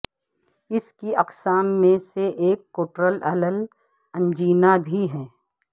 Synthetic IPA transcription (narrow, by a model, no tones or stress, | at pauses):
ɪskiʔɐqsaːmːẽseʔeːkːoːʈɾəlɐləl | ɐ̃nd͡ʒiːnabʱiɦɛː